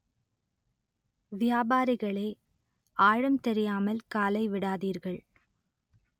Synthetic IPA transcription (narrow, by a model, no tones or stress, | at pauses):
ʋɪjaːbaːɾɪɣɐɭɐː | ʔaːɻɐmt̪ɛɾɪjaːmɐlkaːlɐɪʋɪɽaːðiːɾɣɐɭ